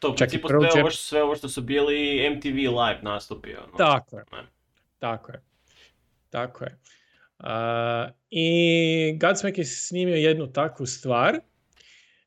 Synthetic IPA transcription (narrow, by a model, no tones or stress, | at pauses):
t̪ot͡ʃakt̪ipoɾoeoeoʃsʋeoʋoʃt̪osubiːliːemt̪iʋilˠajpnast̪upḭo̰nt̪akojeɛ̰ | t̪akoje | t̪akʰoje | ə | i | ɡad̪smnekisniːmiojed̪nut̪akʋust̪ʋaːɾ